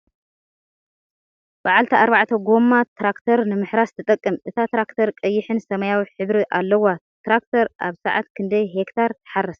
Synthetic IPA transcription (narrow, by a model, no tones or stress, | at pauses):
baʕalt̪ʰiʔaɾbaʕt̪ʰɐɡo̞mːat̪ʰɾakt̪ʰɐɾnɨmɨħɾast̪ʰɨt̪ʼɐkʼːɨmʔɨt̪ʰat̪ɾakt̪ʰɐɾkʼɐjːɪħɨnsɐmɐjawiħɨβɾiʔalːɐwa | t̪ɾak̚t̪ʰɐɾʔa̰βsaʕa̰t̪kʰɨnd̪ɐjɦekt̪ʰaɾt̪ʰɨ̥ħarːɐs